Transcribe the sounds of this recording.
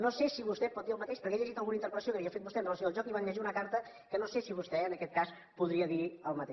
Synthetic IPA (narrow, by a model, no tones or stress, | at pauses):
nosesiβust̪ɛpɔt̪d̪iəlˠmət̪eʃpəɾkɛeʎəʒit̪əlˠɣunəint̪əɾpɾət̪əsijokəβiəfet̪̚bust̪ɛənrələs̬iolˠʒɔkiβanʎɛʒiunəkaɾt̪ə | kənosesiβ̞ust̪ɛənəkɛt̪̚kas | puðɾiəðiəlˠmət̪e